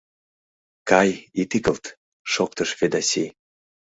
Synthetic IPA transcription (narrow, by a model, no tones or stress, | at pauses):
kɑjit̪ikəlt̪ | ʃok̚t̪əʃfed̪ɑsi